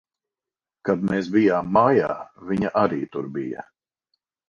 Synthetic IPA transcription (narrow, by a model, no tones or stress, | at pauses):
kad̪meːsbijaːmːajaːviɲaʔaɾiːt̪uɾbijɐ̰